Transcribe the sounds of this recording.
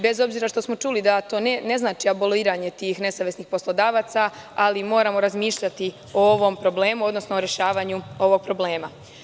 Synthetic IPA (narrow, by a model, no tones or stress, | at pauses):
be̞zo̞bziːɾaʃt̪o̞smo̞t͡ʃuːlid̪at̪o̞ːnene̞znaːt͡ʃiaboliːɾaɲe̞t̪iːxne̞saʋjesniːxpo̞slˠod̪aːʋaːt̪saalimo̞ːɾamo̞ɾazmiːʃʎat̪i | ooʋo̞mpɾo̞ble̞ːmud̪nosnooɾe̞ʃaːʋaːɲuo̞ʋo̞ɡ̚pɾo̞ble̞ːma